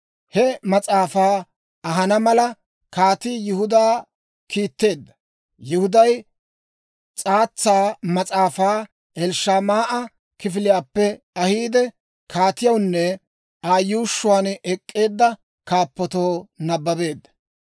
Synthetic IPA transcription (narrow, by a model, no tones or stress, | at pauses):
hɛmɐt͡sʼaːfaː | ɐɦɐnɐmɐlɐ | kaːt̪ɪjʊhʊd̪aː | kiːt̪ːe̞ːd̪ːɐ̥ | jɪhʊd̪ɐj | t͡sʼaːt͡sːaːmɐt͡sʼaːfaː | ɛlʃaːmaːʔɐ | kɪf̬ɪlɪjaːpːɛ | ɐhiːd̪ɛ | kʰaːt̪ɪjɐwnːɛ | aːjːuːʃːʊwaːnɛkʼːe̞ːd̪ːɐ | kaːpːɔt̪oːnɐbːɐbe̞ːd̪ːɐ̥